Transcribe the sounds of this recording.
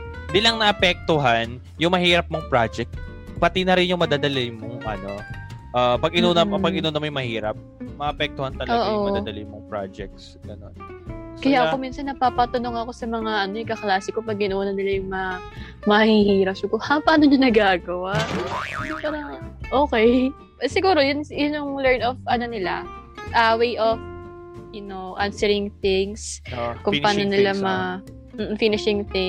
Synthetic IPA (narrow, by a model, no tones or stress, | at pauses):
d̪ilɐŋnɐʔɐpɛk̚t̪oɦan | jʊŋmɐhiːɾɐp̚moŋpɹad͡ʒɛk̚t̪ | pɐt̪inɐɾɪnjʊŋmɐd̪aːd̪ɐlɪmoŋʔɐ̰no̞ʔɐpɐɡʔɪnonɐɐpɐɡʔɪnonɐmojʊŋmɐhiːɾɐp̚mɐʔɐpɛk̚t̪ohant̪ɐloːʔomɐd̪d̪ɐlɪnmoŋpɹa̰d͡ʒɛk̚t̪s | ɡ̥ɐno̞nskɐjaːʔɐo̞miːnsɐnːɐpaːpɐt̪ɐnoŋɐko̞sɐmɐŋaʔɐnoʔɪkɐklaːsɪko̞pɐɡ̚ɪnoːnɐnɪlajʊŋmɐ | mɐhihiːɾɐsʊkohapaːnoɲanɐɡaːɡɐwaʔjʊpaːɾɐŋʔoːkɛj | sɪɡuːɾo̞jʊnjʊnʊŋlɛɹnofʔɐno̞nɪla̰ | ʔawejʔof | jʊnowʔansɛɹɪŋθɪŋskʊŋpaːno̞nɪlamɐ | m̩ːfinɪʃɪŋθɪ